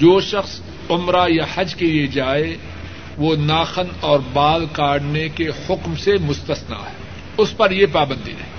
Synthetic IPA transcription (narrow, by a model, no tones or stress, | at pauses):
d͡ʒoːʃɐxs | ʊmɾajahɐd͡ʒkelied͡ʒaːe | ʋoːnaːxənɔːɾbaːlkaːɽnekehʊkmsemʊst̪əsna̰ɦɛː | ʊspɐɾjepaːbə̃nd̪ḭɾɛ̰ː